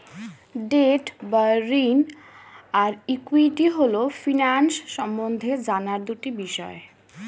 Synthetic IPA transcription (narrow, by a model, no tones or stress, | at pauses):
ɖeʈbaɾin | aɾikuiʈiɦolofinansʃɔmbond̪ʱed͡ʑanaɾd̪uʈibiʃɔe